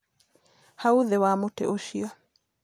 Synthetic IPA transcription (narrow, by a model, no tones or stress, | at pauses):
hauðɛwamotɛ̰ʔoʃia